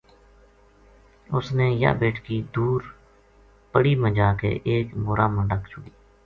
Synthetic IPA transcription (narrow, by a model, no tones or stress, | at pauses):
ʊsneːjə̰beːʈʰkiːd̪uːɾ | pəɽiːməd͡ʒaːkḛːʔeːkbʊːɾaːmə̃ɳɖəkʰt͡ʃʊɽiː